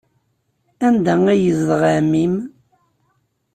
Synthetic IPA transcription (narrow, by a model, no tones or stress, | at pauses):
ænd̪æŋæjəzðʁamim